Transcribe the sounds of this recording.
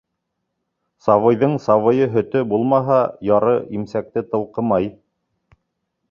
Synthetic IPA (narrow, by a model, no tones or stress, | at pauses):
sɑvɤ̆jðɤɴsɑβɤ̆jɤɦɵ̆t̪ɵbulˠmɑɦɑjɑɾɤʔimsæk̚t̪ɘt̪ɤ̆lˠqɤmɑj